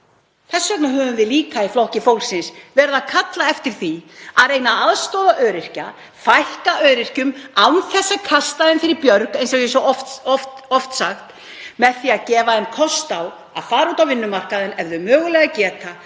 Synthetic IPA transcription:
θɛsːœknaɦœːvʏmvɪðliːkaiflohcɪfoːwlsɪnsvɛɾðakʰat̪laɛft̪ɪɾ̥θiaðreːjnaaðst̪oːðaʔœːɾɪr̥ca | fajhkaœːɥɾɪr̥cʏmawnθɛsːakʰast̪aðɪnfɪɾɪɾpjœɾkejnsɛjɛsɔɔft̪ɔft̪ɔft̪saxt̪ | mɛðθiaðcɛːvaɛnkʰɔst̪aw | a̰ðfaːɾauːt̪awvɪnːʏmar̥kaðɪnɛvðʏmœːɣʏlɛɣacɛːt̪a

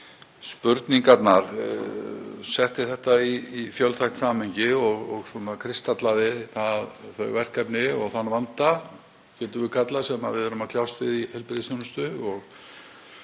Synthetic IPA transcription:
spʏɾt̪niŋkat̪naɾ̥ | sɛht̪ɪθɛht̪aiːfjœlθʰajxt̪saːmhɛɲcɪɔɣɔ̰ɣswɔnakʰɾɪst̪at̪laðɪθaðθœɥɣvɛr̥kapnɪɔɣθanːvant̪a | cɛːt̪ʏvɪkʰat̪lasɛmaðvɪðɛɾʏmakʰl̥awst̪vɪðihɛlpɾɪðsjɔnʏst̪ʏɔɣ

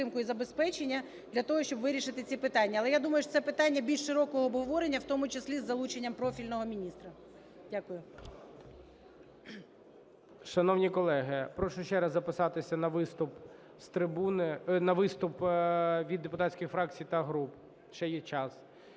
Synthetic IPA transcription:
ɪmkʊizɐbespɛt͡ʃenʲːɐ | d̪lʲɐt̪ɔɦɔʃt͡ʃɔbʋɪɾʲiʃɪt̪ɪt͡sʲipɪt̪ɑnʲːɐɐlˠɛjad̪umɐjʊʃsɛpɪt̪ɑnʲːɐbʲilʲʃʃɪɾɔkɔɦɔːbɦɔʋɔɾenʲːɐwt̪ɔmʊt͡ʃeslʲizːɐlˠut͡ʃenʲːɐmpɾɔfʲilʲnɔɦɔmʲinʲist̪ɾɐ | dʲakʊjʊ | ʃɐnɔwnʲikɔlˠɛɦɪpɾɔʃʊʃt͡ʃɛɾɐzːɐpɪsɑt̪ɪsʲɐnɐʋɪst̪ʊp | st̪ɾɪbunɪnɐʋɪst̪ʊpʋʲid̪ːepʊt̪at͡sʲkʲɪxfɾɑk̚t͡sʲijt̪ɐɦɾup | ʃt͡ʃɛjɛt͡ʃɑs

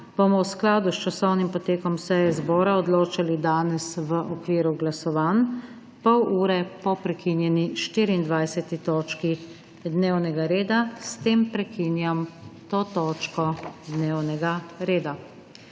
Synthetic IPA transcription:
b̥omɔwsklaːd̪ust͡ʃasɔwnimpɔt̪eːkɔmsɛjɛzbɔːɾaɔd̪loːt͡ʃalid̪aːnɛsʋəʔɔkʋiːɾuɡlasɔʋaːn | pɔwuːɾɛpɔpɾɛkinjɛniʃt̪iːɾiːnd̪ʋajsɛt̪it̪ɔːt͡ʃki | d̪newnɛɡaɾeːd̪ast̪eːmpɾɛkiːnjamt̪oːt̪ɔːt͡ʃkɔd̪newnɛɡaɾeːd̪a

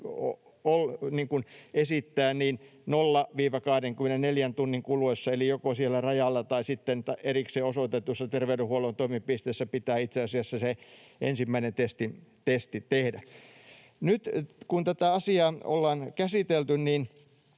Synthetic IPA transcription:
o | olniːŋkunesit̪ːæːniːnnolːɑʋiːʋɑkɑhdeŋkymːenenneljænt̪unːiŋkuluesːɑelijokosielːærɑjɑlːɑt̪ɑisit̪ːent̪ɑerikseːosot̪et̪usːɑt̪erʋeydehuolont̪oimipist̪eːˑsːæpit̪æːit̪seɑsiɑsːɑseḛnsimːæinent̪est̪int̪est̪it̪ehdæ | nyt̪kunt̪æt̪æɑsiɑːo̰lːɑːnkæsit̪elt̪ynniːn

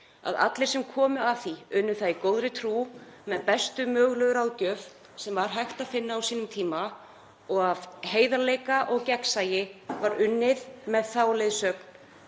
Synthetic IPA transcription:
a̰ða̰t̪lɪɾ̥sɛmkʰɔːmʏaθiʏnːʏθaðikoːwðɾɪt̪ʰɾumɛnpɛst̪ʏmœːɣlœðʏɾawðcœːv | sɛmvaɾ̥ɦajxt̪aðfɪnːaawsiːnʏmt̪ʰiːma | ɔɣavheːjðalejkaʔɔɣcɛksajɪvaɾʏnːɪðmɛðθaːwlɪjðsœkn̥

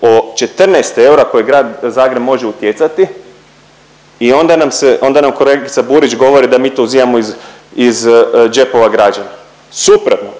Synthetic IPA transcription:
ot͡ʃe̞t̪r̩nɛːst̪e̞uɾako̞jeɡɾaːd̪zaːɡɾe̞bmo̞ʒeut̪jet̪sat̪i | io̞nd̪anamseo̞nd̪anamkoleɡit̪sabuɾit͡ʃɡo̞ʋo̞ɾid̪amiːt̪ouzimamoiz | izd͡ʒe̞po̞ʋaɡɾad͡ʒana | supɾot̪no

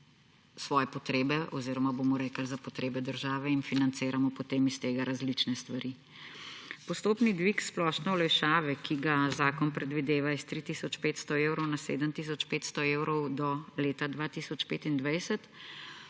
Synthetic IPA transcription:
sʋɔːjɛpɔt̪ɾeːbɛʔɔziɾɔmabomɔɾɛːkəlzapɔt̪ɾeːbɛd̪əɾʒaːʋɛinfinant̪seːɾamɔpɔt̪eːmist̪eːɡaɾʔazlit͡ʃnɛst̪ʋaɾi | pɔst̪oːpnid̪ʋiksplɔːʃnɛulɛjʃaːʋɛkʰiɡazaːkɔnpɾɛd̪ʋid̪eːʋaist̪ɾit̪isɔt͡ʃpeːt̪st̪ɔeːwɾɔwnasḛːd̪əmt̪is̬ɔt͡ʃpeːt̪st̪ɔewɾɔwd̪ɔleːt̪ad̪ʋaːt̪isɔt͡ʃpeːt̪ind̪ʋajsət̪

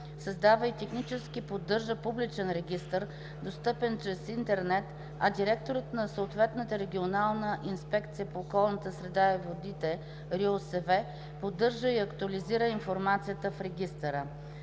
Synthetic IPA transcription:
səzd̪avəit̪ɛxnit͡ʃɛsk̟ipod̪ːɤɾʒəpublit͡ʃɛnɾɛɡʲist̪əɾ | d̪ost̪ɤpɛnt͡ʃɾɛsint̪ɛɾnɛt̪ | ɐd̪iɾɛkt̪oɾət̪nɐsəot̪vɛt̪nət̪əɾɛɡʲionalˠnəʔinspɛkt̪sijəpoːkɔlˠnət̪əsɾɛd̪aivod̪it̪ɛ | ɾiosɛvɛ | pod̪ːɤɾʒəiɐkt̪uɐliziɾəinfoɾmat̪sijət̪əfɾɛɡ̟ʲist̪əɾə

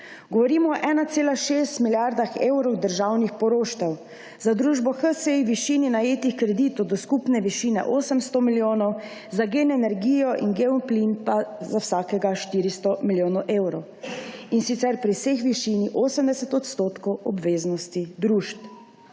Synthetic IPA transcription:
ɡɔʋɔɾiːmɔːʔɛːnat̪seːlaʃeːst̪milʲjaɾd̪axewɾɔwd̪əɾʒawnixpɔɾoːʃt̪ɛw | zad̪ɾuːʒbɔxəseiʋiʃiːninajeːt̪ixkɾɛd̪iːt̪ɔwd̪ɔskupnɛʋiʃiːnɛ̰ʔoːsəmst̪ɔmiljoːnɔw | zaɡenɛnɛɾɡiːjɔʔinɡeunplinpazawsaːkɛɡaʃt̪iːɾist̪ɔmiljoːnɔwʔeːwɾɔw | insit̪sɛɾpɾisexʋiʃiːniʔoːsəmd̪ɛsɛt̪ɔt̪st̪oːt̪kɔwɔbʋeːznɔst̪id̪ɾuːʃt̪

